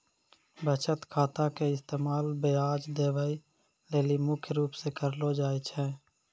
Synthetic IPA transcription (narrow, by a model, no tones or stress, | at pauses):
bət͡ʃət̪kʰaːt̪ãkeɪst̪eːmaːlbeaːd͡ʒd̪eːʋəi | leːlimʊkʰjɾuːpsekəɾlod͡ʒaːit͡ʃʰɛ̃ː